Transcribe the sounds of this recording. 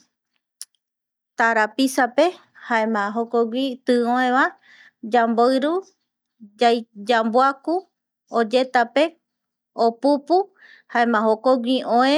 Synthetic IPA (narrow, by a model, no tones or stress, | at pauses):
t̪aɾapisape̞ | haẽmãɦokoɡʷit̪ɨõẽʋa | d͡ʒamboɨɾu | ajd͡ʒamboaku | od͡ʒe̞t̪ape | opupu | haẽmãhokoɡʷiʔõẽ